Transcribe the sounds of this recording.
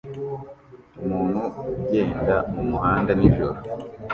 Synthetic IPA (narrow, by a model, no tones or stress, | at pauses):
umuːn̥huuɟeːndamumuhaːndaniːʒoɾo